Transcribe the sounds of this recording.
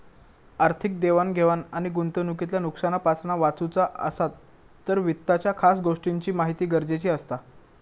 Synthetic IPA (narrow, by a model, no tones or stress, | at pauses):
aɾt̪ʰik̚d̪eʋanɡʱeʋanaɽ̃iɡunt̪ənukit̪ljanuksanapat͡sɳaʋat͡sut͡saə̰sat̪ː | əɾʋit̪ːat͡ɕjakʰasɡoʂʈiɲt͡ɕiːmaɦit̪iːɡəɾd͡ʑet͡ɕiːəst̪a